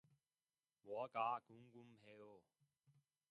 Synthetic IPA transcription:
wɔkaːkuŋkumheo

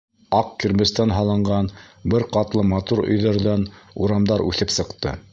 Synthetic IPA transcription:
ɑqkɘ̆ɾmɘ̆st̪ænɦɑlˠɤ̆ɴɢɑnbɘɾqɑt̪lˠɤmɑt̪uɾɵ̰̆jðæɾðænuɾɑmd̪ɑɾʉ̰θɘpsɤ̆qt̪ɤ̰

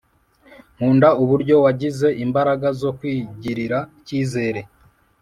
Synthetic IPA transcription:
ŋ̥uːndauβuɾɟo̞waɟize̞ʔimbaɾaɡazo̞kwiːɟiɾiɾaciːze̞ːɾe̞

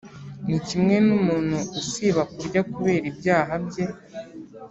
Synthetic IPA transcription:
nicimŋe̞numuːn̥huːsiβakuɾɟakuβe̞ːɾibjaːɦabje̞

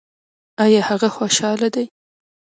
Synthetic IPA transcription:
ajɑhaɣaxoʃɑlad̪aj

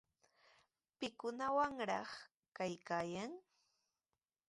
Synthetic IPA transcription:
pɪkʊnawaŋɾɑχ | kajkaːjaŋ

